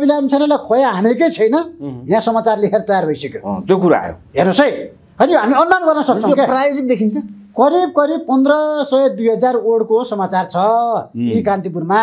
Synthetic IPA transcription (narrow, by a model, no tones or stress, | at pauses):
bilamt͡sʰʌnʌlakʰojaɦaneket͡sʰʌjnʌɦjãsʌmat͡sarliɦʰeɾʌt̪ʌjarbʱʌjsʌkjot̪jokuɾa̰ɦa̰jo̰ɦernosʌj | ɦʌnijoɦamiʌnːanɡʌrnʌsʌk̚t͡sʰʌ̃okeprajod͡zit̪̚d̪ekʰint͡sʰʌ̃ | kʌɾib̚kʌɾib̚pʌnd̪rʌsʌjed̪ujɦʌd͡zaroɽkosʌmat͡sart͡sʰʌikãnt̪ip̬uɾma